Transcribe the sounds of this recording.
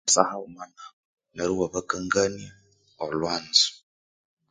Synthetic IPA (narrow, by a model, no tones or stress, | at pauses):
sahaomana | neɾuwaβakaŋɡania | olwaːnzi̥